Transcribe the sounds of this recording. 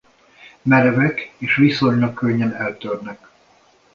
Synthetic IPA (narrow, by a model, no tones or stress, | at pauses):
mɛɾɛvɛkeːʃʋiso̞ɲlɒkːøɲːɛnɛlt̪ørnɛk